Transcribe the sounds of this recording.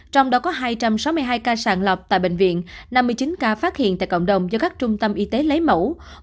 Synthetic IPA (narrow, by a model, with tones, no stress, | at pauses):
t͡ɕɔ˧wŋ͡mɗɔ˨˦kɔ˨˦ɦaː˧jt͡ɕa˧msa˨˦wmɨ˧əjɦaː˧jkaː˧saː˧˩nlə˨˩p̚t̪a̰ː˧˨jɓḛ˧˨ŋ̟vḭ˧˨ənna˧mːɨ˧əjt͡ɕi˨˦nkaː˧faː˦˥t̚hḭ˧˨ənt̪a̰ː˧˨jkə̰˧˨wŋ͡mɗə˨˩wŋ͡mzɔ˨˧kaː˦˥k̚t͡ɕʊ˧ŋ͡mt̪ə˧mʔi˧t̪e˨˦lə˨˦jmə̰˧˩w